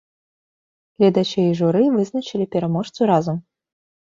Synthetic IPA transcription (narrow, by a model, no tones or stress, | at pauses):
lʲɛd̪at͡ʃɛiʐuɾɨvɨznɐt͡ʃilʲipʲɛɾamɔʂt̪suɾazɐm